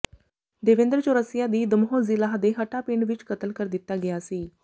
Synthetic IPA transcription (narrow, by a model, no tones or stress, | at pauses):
d̪eʋẽnd̪ɾət͡ʃoɾəsjad̪iːd̪əmɦozilaɦəd̪eɦəʈapiɳɖʋit͡ʃkət̪əlkəɾd̪it̪aɡeasiː